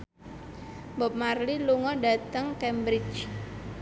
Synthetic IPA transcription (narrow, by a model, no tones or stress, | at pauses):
bɔp̚marliluŋɔda̤t̪əŋkɛmbɾɪt͡ʃ